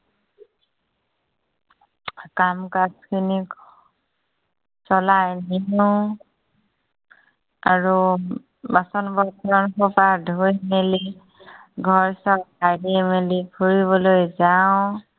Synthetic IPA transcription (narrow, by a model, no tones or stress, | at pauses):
kamkaskʰini | sɔlajninu | aɹu | basɔnbɔtʰɔɹɔnpʰɔpadʱojmeli | ɡʱɔɹsɔɹkʰajdemelikʰuɹiβɔlojzaʊ̃